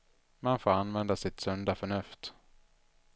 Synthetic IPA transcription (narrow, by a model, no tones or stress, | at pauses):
manfoːɾanvɛnd̪asɪt̪sœnd̪afœɳɵft̪